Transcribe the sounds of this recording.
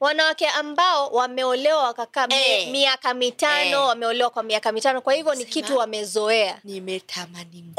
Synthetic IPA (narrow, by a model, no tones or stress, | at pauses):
wanawakɛʔambaɔwamɛɔlɛwawakakaːmɛmiakamitanɔwamɛɔlɛwakwamiakamitanɔkwahivjɔnikituwamɛzɔɛanimɛtʰamani